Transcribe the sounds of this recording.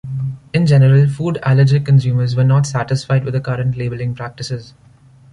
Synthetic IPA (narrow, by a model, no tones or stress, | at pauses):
ɪ̃nd͡ʒɛnəɾəlfuːɖæ̰ləɾd͡ʒikə̃nsjũːməɾzʋəɾnɔːʈsæʈɪsfaɪɖʋɪd̪əkʌɾə̃ɳʈleːbəlɪ̃ŋpɾæk̚ʈɪsɪz